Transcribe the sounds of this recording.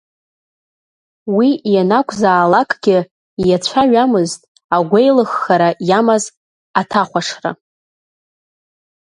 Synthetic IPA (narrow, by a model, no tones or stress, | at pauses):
wijanakʷʰʼzaːlakʼɡ̥ʲɪ | jat͡ɕʷʰaɥᶣamɨztʼ | aɡʷejlɨχːaɾajamaz | atʰaχʷaʂra̰